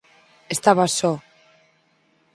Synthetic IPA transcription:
est̪aβasɔ

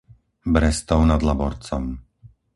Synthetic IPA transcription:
bɾɛst̪ɔʊnad̪labɔɾt͡sɔm

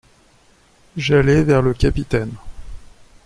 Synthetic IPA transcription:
ʒalɛvɛʁləkʲapit̪ɛn

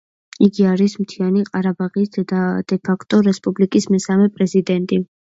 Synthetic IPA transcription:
iɡiaɾismt̪ʰianiqʼaɾabaʁisd̪ad̪̥ɛpʰakʰt̪ʼɔɾɛspʼublikʼismɛsamɛpʼɾɛzid̪ɛnt̪ʼi

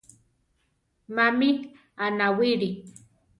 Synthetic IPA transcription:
mamit̪ | anawiɾi

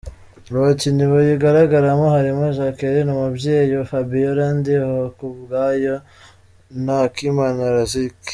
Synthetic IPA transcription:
ɾociniβojiɡaɾaɡaɾamohaɾimoʒakeɾenumubɟeːjofabijoɾandihokubɡaːjo | nakimanaɾazik

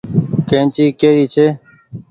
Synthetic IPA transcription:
kẽːt͡ʃiːkeːɾiːt͡ʃʰeː

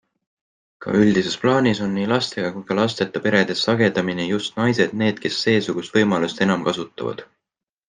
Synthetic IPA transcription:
kɑ̰ʔyld̪̥ise̞splɑːniso̞nːiːlɑst̪e̞ɡ̥ɑkujkɑlɑst̪e̞t̪ːˑɑpe̞ɾe̞d̪̥e̞sːɑɡe̞d̪ɑminejust̪nɑjse̞d̪̥ne̞ːd̪̥̚ke̞sːe̞ːsuɡ̥ust̪vɤjmɑlust̪e̞nɑmkɑsut̪ːˑɑ̰vɑ̰d̪̥

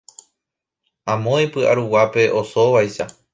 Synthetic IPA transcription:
ãmõĩpɨʔa̰ɾuwape̞ʔo̞soʋajʃa

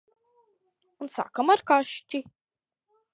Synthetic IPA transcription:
unsa̰kamaɾkaʃt͡ʃi

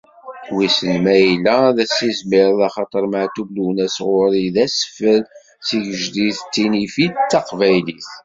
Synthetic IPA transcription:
wisənmæjlæðæsizmɪɾðɑχɑt̪ˤəɾˤməʕt̪ubluwnæsʁʊɾiðæsə̥fəl | siʝəʒliθt͡sːinifit͡sːɑqvæjliθ

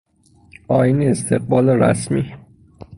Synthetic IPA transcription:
ɒːjineːst̪ʰeɢ̚bɒːleɾæ̰smiː

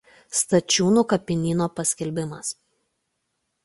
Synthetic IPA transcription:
st̪ɐt͡ʃʲuːnuːkɐpʲɪnʲiːnoːpɐsʲkʲɛlʲbʲɪmɐs

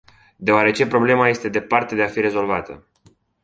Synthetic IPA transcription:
d̪e̞oaɾe̞t͡ʃe̞pɾo̞ble̞maje̞st̪e̞d̪e̞part̪e̞d̪e̞afiɾe̞zo̞lvat̪ə̰

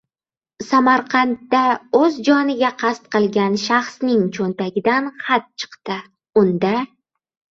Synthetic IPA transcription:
samaɾqʰɑnt̪ːaɵzd͡ʒɒnɪɡʲaqʰɑst̪qɨlˠɡʲanʃaχsnɪŋt͡ʃʰont̪aɡʲɪd̪anχat̪̚t͡ʃʰɨ̥qt̪ɪ | ʊnd̪a

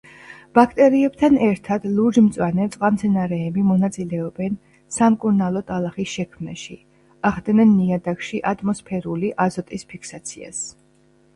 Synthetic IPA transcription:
b̥akʰt̪ʼɛɾiɛb̚t̪ʰanɛɾt̪ʰad̪̥lˠuɾd͡ʒmt̪sʼwanɛt̪sʼqʼwamt̪sʰɛnaɾɛːbimɔnat̪sʼilɛɔbɛn | samkʼuɾnalˠɔt̪ʼalˠaχisʃɛkʰmnaʃi | aʁd̪nɛnːiad̪akʃiʔat̪ʰʼmɔspʰɛɾuliʔazɔt̪ʼispʰikʰsat̪sʰḭa̰s

